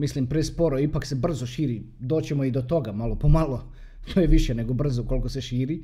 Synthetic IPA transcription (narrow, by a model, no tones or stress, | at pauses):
mislimpɾespo̞ɾoipakse̞br̩zoʃiːɾid̪o̞ːt͡ɕemoid̪ot̪o̞ɡamalo̞pomalo | t̪ojeʋiʃene̞ɡobr̩zoko̞lkoseʃiːɾi